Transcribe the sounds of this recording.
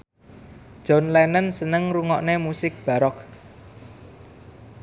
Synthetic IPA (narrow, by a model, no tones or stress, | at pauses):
d̥ʒ̥ɔ̤nlɛnənsənəŋruŋɔʔnemusɪk̚b̥a̤ɾɔk̚